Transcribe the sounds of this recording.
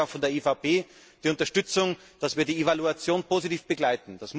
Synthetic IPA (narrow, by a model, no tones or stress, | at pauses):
aʊxfɔndeːɐefapʰeː | d̥iːʊntɐʃtʏt͡sʊŋ | d̥asv̥iːɐdiːevaluat͡sjoːnpʰoːzitiːfb̥əɡlaɪtn̩d̥asm